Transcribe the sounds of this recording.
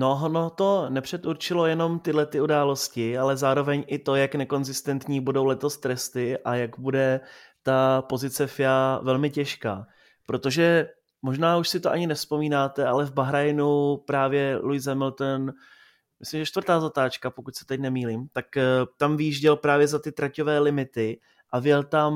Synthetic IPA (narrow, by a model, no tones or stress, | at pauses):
noɦonot̪o̞nɛpr̝̥ɛt̪uɾt͡ʃɪlo̞jɛno̞mt̪ɪdlɛt̪ɪudaːlo̞scɪalɛzaːɾo̞vɛɲʔɪt̪o̞jaknɛko̞nzɪst̪ɛnt̪ɲiːbudo̞wlɛt̪o̞st̪ɾɛst̪ɪʔajaɡbudɛt̪apo̞zɪt͡sɛfɪjaːvɛlmɪcɛʃka̰ː | pɾo̞t̪o̞ʒɛ | mo̞ʒnaːuʃsɪt̪oʔaɲɪnɛfspo̞miːnaːt̪ɛalɛvbaɦɾajnupɾaːvjɛlujzɛmɪlt̪ɛn | mɪslimʒɛt͡ʃt̪vrt̪aːzat̪aːt͡ʃkapokucʲsɛ̥t̪ɛcnɛmiːliːmt̪akt̪amvɪjiʒɟɛlpɾaːvjɛzat̪ɪt̪ɾacovɛːlɪmɪt̪ɪ | ʔavjɛlt̪am